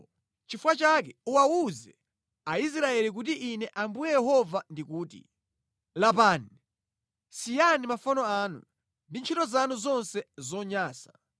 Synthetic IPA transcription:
t͡ʃifuwat͡ʃak̬ɛuwawuzɛ | ais̬ɾaɛlik̬ut̬iʔinɛʔambujɛjɛɦɔvandikuːtḭ | lapaːni | sijanimafɔnɔaːnṵ | ndint͡ʃʰitɔzanuzɔnsɛzɔɲaːsa

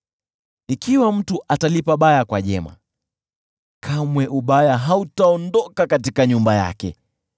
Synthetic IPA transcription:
ikiwam̩tuʔatalipaɓajakwaʄɛ̰ma̰ | kʰamwɛʔuɓajaɦautaɔndɔkakatikaɲumbaja̰kɛ

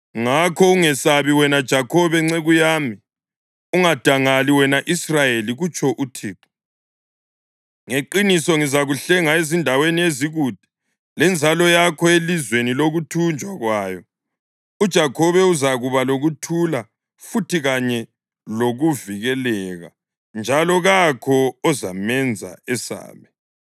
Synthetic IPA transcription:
ŋakʰɔuŋɛsaβiwɛnad̥ʒ̥ʱakʰɔβɛŋ͡ǀɛɣujaːmi | uŋad̥ʱaŋaliwɛnaʔisrajeliɣut͡ʃʰɔʔutʰiːǃɔ̥ | ŋeǃinisɔŋizaɣuɬɛŋaezindʱawenieziɣud̥ʱɛ̥ | lɛnd͡zʱalɔjakʰɔelizweniloɣutʰund͡ʒʱwaɣwaːjɔ | ud̥ʒ̥ʱakʰɔβɛuzaɣuβaloɣutʰula | futʰiɣaɲɛ | loɣuviɣɛlɛɣa̰ | nd͡ʒʱalɔɣakʰɔɔzamɛnd͡zʱa̰ɛsa̰ːmɛ

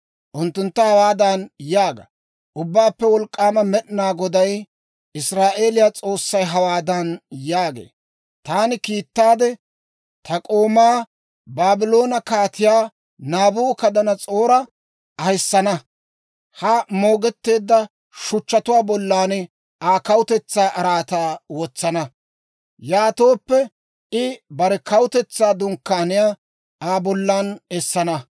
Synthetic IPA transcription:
ʔʊnt̪ːʊnt̪ːɐhɐwaːd̪ɐnjaːɡɐ̰ | ʔʊbːaːpːɛwɔlkʼːaːmɐmɛɗnaːɡɔd̪ɐj | ɪsɾaːʔe̞ːlɪjaːt͡sʼo̞ːsːɐjɦɐwaːd̪ɐnjaːɡḛː | t̪aːnɪkiːt̪ːaːd̪ɛ | t̪ʰɐkʼoːmaː | baːbɪlo̞ːnɐkaːt̪ɪjaː | naːbuːkɐd̪ɐnɐt͡sʼo̞ːɾɐ | ɐhɪsːɐnɐ | hɐmo̞ːɡɛt̪ːe̞ːd̪ːɐ | ʃʊt͡ʃːɐt̪ʊwaːbɔlːaːnɛ | aːkɐwʊt̪ɛt͡sːaːʔɐɾaːt̪aːwɔt͡sːɐnɐ | jaːt̪o̞ːpːɛ | ʔɪbɐɾɛkɐwʊt̪ɛt͡sːaːd̪ʊŋkːaːnɪjaː | aːbɔlːaːnɛsːɐnɐ

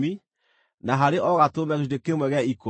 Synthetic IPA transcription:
mi | naɦaɾeʔɔɣatomaɣeʃudekemwɛɣɛaiko

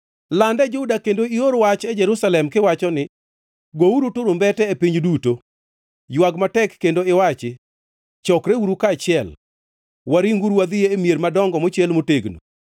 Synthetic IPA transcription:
landɛd͡ʒʊdakendoioɾwat͡ʃɛd͡ʒɛɾusalɛmkɪwat͡ʃɔnɪ | ɡouɾutʊɾombɛtɛepiɲduto | jwaɡmatɛkːendoɪwat͡ʃɪ | t͡ʃɔkɾewuɾukaːt͡ʃɪɛl | waɾiŋɡuɾwad̪ɪjeːmijeɾmadɔŋɡɔmot͡ʃjɛlmoteɡno̰

